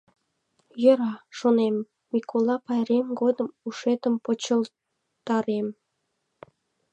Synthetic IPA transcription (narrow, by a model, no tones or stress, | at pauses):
jə̆ɾɑʃonemː | ikʰolɑpɑjɾemɡod̪əmuʃet̪əmpot͡ɕəl | t̪ɑɾem